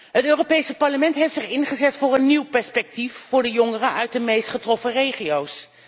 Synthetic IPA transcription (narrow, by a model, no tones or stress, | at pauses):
ɦətøːropejsəpɑɹləmɛntɦejftsɪχɪnχəzɛtfʊːɹənːiwpɛɹspɛk̚tifːʊːɹdəjɔŋərəʔœɥt̚dəmejstχətrɔfərejχiows